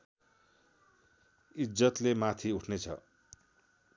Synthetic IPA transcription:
id͡zʌt̪lemat̪ʰiuʈʰnet͡sʰʌ̰

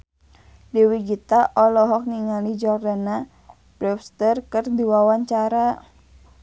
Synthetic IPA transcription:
diwiɡit̪aʔɔlɔɦɔk̚niŋalid͡ʒɔrdana | b̥ɾɛfst̪ərkərdiwawaɲt͡ʃaɾa

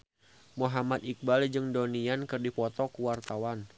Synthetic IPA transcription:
muɦamat̪ik̚bald͡ʒɨŋdoniankɨrdipɔt̪ɔkuwart̪awan

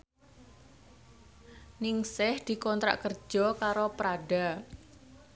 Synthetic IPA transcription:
nɪŋsɪhd̪̥i̤kɔnt̪ɾa̰ʔkərd͡ʒ̥ɔkaɾopɾaɖa

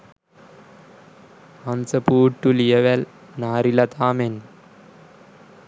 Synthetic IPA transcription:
ɐnsɐpuːʈːuliɐʋɐl | naːɾilɐt̪aːmen

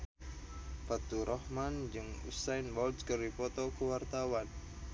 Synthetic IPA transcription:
pat̪uɾʔɔhmand͡ʒɨŋṵsajnbɔlskəripɔt̪ɔkəwart̪awan

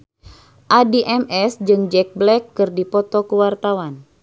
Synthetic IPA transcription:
ʔadiʔɛmɛsd͡ʒɨŋd͡ʒɛk̚blɛkːɨrdipɔt̪ɔkuwart̪awan

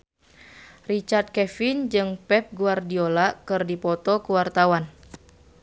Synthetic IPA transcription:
rit͡ʃart̪̚kɛfɪnd͡ʒɨŋpɛp̚ɡuardiolakɨrdipɔt̪ɔkuwart̪awan

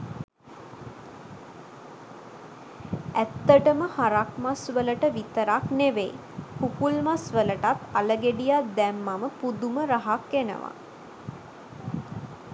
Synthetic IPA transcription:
æt̪ːəʈəməhaɾakmasʋələʈəʋit̪əɾakneʋe | pukulmasʋələʈat̪aləɡeɖijad̪ɛmːaməpud̪uməɾaɦakːenə̰ʋa̰

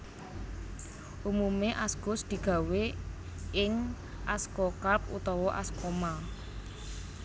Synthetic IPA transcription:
ʔumumeʔasɡ̥ʊsd̪̥i̤ɡ̥ä̤we | ɪŋ | ʔaskɔkap̚ṵt̪ɔwɔʔa̰skɔma

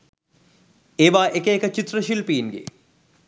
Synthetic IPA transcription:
eːʋaːʔekeːkət͡ʃit̪rəʃilpiːnɡḛ

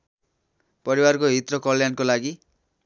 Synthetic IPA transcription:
pʌɾiwarkoɦit̪rʌkʌljankolaɡi

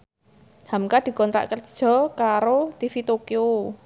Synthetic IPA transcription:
hamkad̪̥i̤kɔnt̪ɾa̰ʔkərd̥ʒ̥ɔ̤kaɾot̪ifit̪okio

